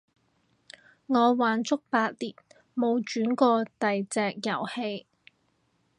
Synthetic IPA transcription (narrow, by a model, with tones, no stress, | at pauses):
ŋɔː˨˧waː˨nt͡sʊ˥k̚paː˧t̚liː˨t̚ | mo˨˧wt͡ʃyː˨˥nkɔː˧t̪ɐ˨jt͡sɛː˨k̚jɐ̰˨˩whe˧j